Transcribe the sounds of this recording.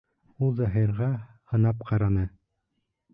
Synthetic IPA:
ulˠzɑɦiɾʁɑ | hɤ̆nɑp̚qɑɾɑnɤ

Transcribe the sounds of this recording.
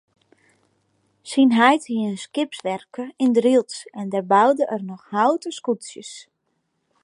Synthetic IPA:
sinɦɛjthiənskɪpsʋɛrkəɪndrilˠtsɛndɛrbawdəʔərnɔxhawtəskutsjəs

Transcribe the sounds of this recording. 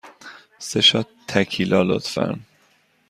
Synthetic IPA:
seʃɒt̪ʰːækʰilɒːlo̰t̪fæ̰ɾn

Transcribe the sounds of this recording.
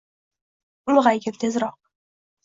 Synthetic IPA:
mʊʁajɡʲɪmt̪ʰezɾɒq̚

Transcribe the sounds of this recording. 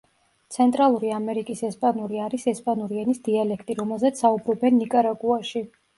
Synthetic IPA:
t̪sʰɛnt̪ʼɾalˠuɾiamɛɾikʼisɛspʼanuɾiaɾisɛspʼanuɾiɛnisd̪̥ialɛkʰt̪ʼiɾɔmɛlˠzɛt̪saubɾɔbɛnːikʼaɾaɡuaʃi

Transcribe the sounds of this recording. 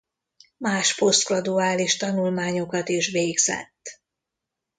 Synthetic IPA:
maːʃpo̞st̪̚ɡlɒd̪uaːliʃt̪ɒnulmaːɲo̞kɒt̪iʃʋeːɡzɛ̰t̪ː

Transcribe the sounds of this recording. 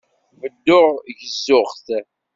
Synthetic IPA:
vəd̪ːʊʁʝəzːʊχθ

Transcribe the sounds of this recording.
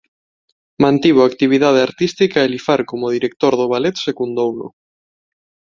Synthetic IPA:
mãnt̪iβoakt̪iβ̞iðað̞eaɾt̪ist̪ikaelifaɾkomʊð̞iɾek̚t̪oɾðʊβalet̪sekund̪owlʊ̰

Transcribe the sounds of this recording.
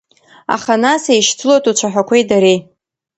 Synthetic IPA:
a̰χanasejʃtʰɨlotʰʼut͡ʃʷʰaħʷᶣakʷʰejdaɾej

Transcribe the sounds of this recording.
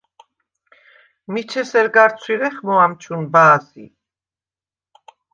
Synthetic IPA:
mit͡ʃʰɛsɛɾɡaɾt̪sʰwiɾɛχmɔamt͡ʃʰunbaːsḭ

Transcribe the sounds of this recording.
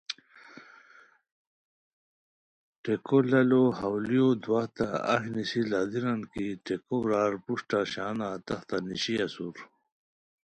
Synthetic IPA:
ʈekolɐlohɐwlijod̪waht̪aɐ̰ɦnisilaːd̪iɾankiʈekobɾaːɾpuʂʈaɕaːnat̪ɐxt̪aniɕiɐsuɾ

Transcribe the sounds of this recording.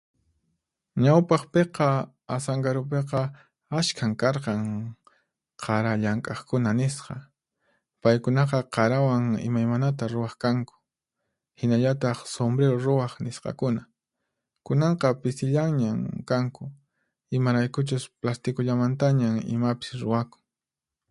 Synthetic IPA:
ɲawpɑχpeqɑ | asaŋɡaɾʊp̬eqɑ | aʃkʰaŋkɑɾqɑŋ | qʰɑɾaʎaŋkʼɑχkʊnanɪsqɑ̰ | pajkʊnɑqɑqɑɾawaŋɪ̰majmanat̪̬aɾʊwɑχkaŋkʊ̥ | hɪnaʎat̪ɑχsombɾeɾoɾʊwɑχnɪsqɑ̰kʊna | kʊnɑɴqɑpɪsɪʎaŋɲamkaŋkʊ | ɪmaɾajkʊt͡ʃʊsplast̪ɪkʊʎamant̪aɲaŋɪ̰mapɪ̥sɾʊwakʊ̥ŋ

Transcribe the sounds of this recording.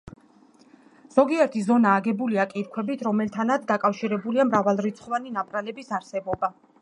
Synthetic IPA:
z̥ɔɡiɛɾt̪ʰizɔnaːɡɛbuliakʼiɾkʰwɛbit̪ʰɾɔmɛlt̪ʰanat̪sd̪akʼafʃiɾɛbuliamɾavalˠɾit̪sʰχvaninapʼɾalɛbisaɾsɛbɔba

